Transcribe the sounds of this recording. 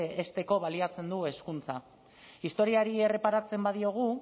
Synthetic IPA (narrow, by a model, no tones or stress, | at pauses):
est̪e̞ko̞β̞aliat͡se̞nd̪ue̞skunt͡sa | ist̪o̞ɾiaɾie̞re̞paɾat͡se̞mbað̞io̞ɣ̞u